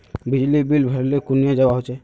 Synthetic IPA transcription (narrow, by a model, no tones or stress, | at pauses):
bid͡ʒlibilbʱaɾlekunijad͡ʒabaɦojt͡ʃʰɛ